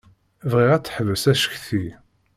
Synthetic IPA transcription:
vʁiʁæt͡sːħəvəsæʃə̥çθi

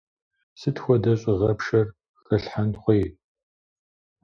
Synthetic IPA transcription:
sɨtʰxʷɔdɐɕʼɪʁɐpʂɐr | xɐɬħanχʷej

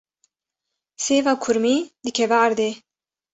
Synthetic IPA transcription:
seːvɑːkʰʊɾmiːd̪ɨkʰɛvɛːɾd̪eː

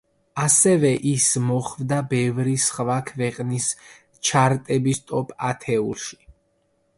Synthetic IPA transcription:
asɛvɛʔismɔχvd̪abɛvɾisχvakʰvɛqʼnis | t͡ʃʰaɾt̪ʼɛbist̪ʼɔpʼat̪ʰɛulˠʃi̥

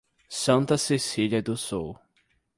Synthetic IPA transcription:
sɐ̃nt̪ɐsesiʎiɐd̪ʊsuw

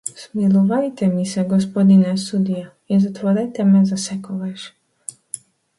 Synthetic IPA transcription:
smilɔʋajt̪ɛmisɛɡɔs̬pɔd̪inɛsud̪ija | inzat̪ʋɔɾɛjt̪ɛmɛzasɛkɔʋɛʃ

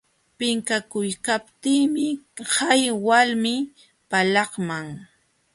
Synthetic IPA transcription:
pɪŋkakʊjkap̚t̪iːmɪhajwalmɪ | palɑχmaŋ

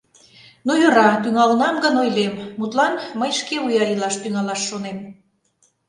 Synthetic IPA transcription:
nujøɾɑt̪yŋɑlnɑmɡənojlemːut̪lɑnməjʃkeujɑɾilɑʃt̪yŋɑlɑʃːonem

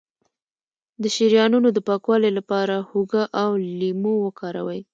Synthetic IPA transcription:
d̪əʃiɾjɑnunod̪əpɑkwɑlelapɑɾahuɡaʔawlimowəkɑɾawəj

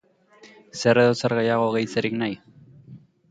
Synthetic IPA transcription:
se̞reðot͡saɾɣejaɣo̞ɣejt͡seɾiknaj

